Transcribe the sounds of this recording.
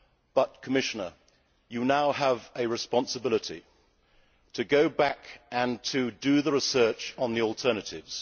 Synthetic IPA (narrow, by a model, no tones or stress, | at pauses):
b̥ʌt̚kʰəmɪʃɨnə˞ | jɨnaʊəvɨɹɨspɑ̃nsəbɪlˠəɾḭ | tʰɨɡoʊbækɨ̃ntʰɨdɨðəɹɨsɜˑ˞t͡ʃn̩ðiɔlˠtʰɜ˞nɨtɪvz̥